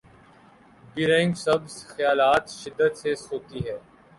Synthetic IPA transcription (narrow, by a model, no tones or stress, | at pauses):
biɾɛ̃ːɪ̃ŋɡsɐbsxjaːlaːt̪ʃɪd̪ːət̪sesɦoːt̪iɦɛː